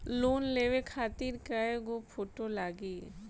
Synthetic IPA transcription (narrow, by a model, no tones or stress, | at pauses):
loːnleːʋekʰaːt̪iːɾkaeɡopʰoːʈolaːɡiː